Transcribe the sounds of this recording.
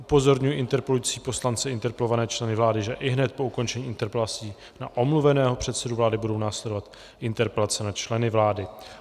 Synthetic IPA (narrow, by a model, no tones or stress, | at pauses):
ʔupo̞zo̞ɾɲujiʔɪnt̪ɛɾpɛlujiːt͡siːpo̞slant͡sɛɪnt̪ɛɾpɛlo̞vanɛːt͡ʃlɛnɪvlaːdɪʒɛʔɪɦnɛt̪̚po̞uko̞nt͡ʃɛɲiːʔɪnt̪ɛɾpɛlat͡siː | na̰ʔo̞mluvɛnɛːɦo̞pr̥ɛt̪sɛduvlaːdɪbudo̞wnaːslɛdo̞vat̪ | ʔɪnt̪ɛɾpɛlat͡sɛnat͡ʃlɛnɪvlaːdɪ